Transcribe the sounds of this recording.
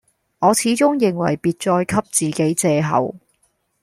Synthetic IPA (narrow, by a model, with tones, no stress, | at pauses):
ŋɔː˨˧t͡sʰiː˨˥t͡sʊ˥ŋjɪ˨˩ŋwɐ̰˨˩jpiː˨˧t̚t͡ʃɔː˧jkʰɐ˥p̚t͡siː˨ke˨˥jt͡sɛː˧ɦɐ̰˨˩w